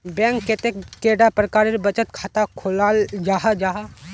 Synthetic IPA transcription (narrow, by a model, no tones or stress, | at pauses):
bɛ̃ːŋkːet̪ekːeːɖapɾəkaːɾeɾbət͡ʃət̪kʰaːt̪akʰolad͡ʒaːɦad͡ʒaːɦa